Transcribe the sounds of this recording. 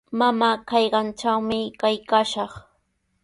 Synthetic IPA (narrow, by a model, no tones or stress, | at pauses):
mamaːkɑjɢɑnt͡ʃawmɪkajkaːʃɑχ